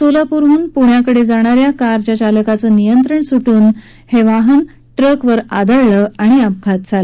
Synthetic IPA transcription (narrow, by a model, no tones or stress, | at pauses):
solapuɾuːnpuɳjakəɽed͡zaɽ̃aɾjakaɾt͡ɕjat͡ɕaləkat͡səːnijənt̪ɾəɳsuʈuːn | heʋaɦən | ʈɾəkʋəɾad̪əɭɭəaɽ̃iap̚kʰat̪̚d͡zalə